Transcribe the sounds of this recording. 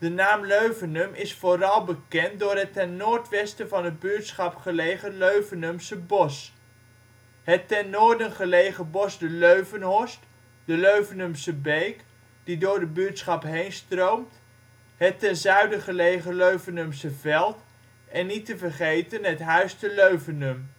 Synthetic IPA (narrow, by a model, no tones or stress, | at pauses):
d̥ənaːmløɥvənɵmʔɪsfoːrɑlˠbəkɛnt̚dʊːɹɦətɛnːʊːɹtʋɛstəvɑnɦəd̚byːtsχɑpχəlejχəløɥvənɵmsəbɔs | ɦətɛnːʊːɹdənχəlejχəbɔsdəløɥvənɦɔst | dəløɥvənɵmsəbejk | d̥idʊːɹdəbytsχɑpɦejnstrowmt | ɦətɛnzœɥdəχəlejχəløɥvənɵmsəvɛlˠt | ɛnːitəvərχejtənɦətɦœɥstəløɥvənɵm